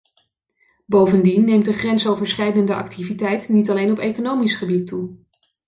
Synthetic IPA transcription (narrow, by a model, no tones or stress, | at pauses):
bowvəndinːejmt̚dəχrɛnsowvəɹsχɛjdəndəʔɑ̰ktʰivitɛjtnitɑlejnɔpejkonowmisχəbitːu